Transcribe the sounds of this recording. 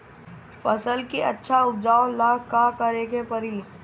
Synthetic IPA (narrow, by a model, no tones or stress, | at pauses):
fɐsəlkiɐ̰tːʃʰaʊp̚d͡ʒaːolaːkkakəɾeːɡepɐɾiː